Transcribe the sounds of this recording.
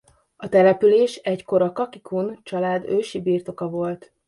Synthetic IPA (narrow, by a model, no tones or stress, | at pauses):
ɒt̪ɛlɛpyleːʃɛɟko̞ɾɒkɒkikʰunt͡ʃɒlaːd̪øːʃibiːrt̪o̞kɒvo̞lt̪